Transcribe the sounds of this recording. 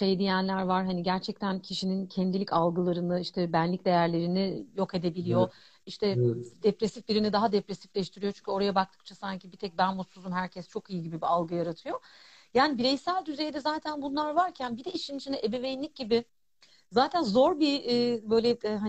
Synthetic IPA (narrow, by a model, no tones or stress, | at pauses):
ʃe̞jd̪ijænlʲæɾvaɾɦaniɟæɾt͡ʃʰɛc̚t̪ʰæncʰiʃinincʰɛnd̪ilʲicalˠɡɯlˠaɾɯnɯiʃt̪ʰɛbænlʲic̚d̪e̞jæɾlʲe̞ɾinijoke̞d̪e̞bilʲijo̞ | iʃt̪ʰɛd̪epɾesifb̪ʲiɾinid̪aɦad̪epɾesi̥flʲɛʃt̪ʰiɾijo̞t͡ʃʰy̥ɲʲcʰyo̞ɾajabak̚t̪ʰɯ̥k̚t͡ʃʰasaɲcibit̪ʰɛc̚bænmosuzumɦæɾcʰɛst͡ʃʰo̞kijɯɟibibialˠɡɯjaɾat̪ʰɯjo̞jaːnibiɾɛjsælʲd̪yzejd̪ɛzaːt̪ʰænbunlˠaɾvaɾcʰænbid̪ɛiʃinit͡ʃʰinɛʔebevejnlʲic̚ɟibɪ | zaːt̪ʰænzo̞ɾbiːbøjlʲɛɦa